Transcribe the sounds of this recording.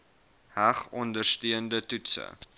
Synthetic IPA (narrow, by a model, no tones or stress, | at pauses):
hæχɔndərstyəndətutsə̰